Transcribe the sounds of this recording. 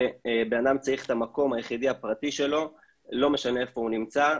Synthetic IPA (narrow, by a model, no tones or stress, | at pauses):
beanamt͡saiχetamako̞majeχidiapʁatiʃe̞lo̞ | lo̞me̞ʃane̞efo̞hunimt͡sa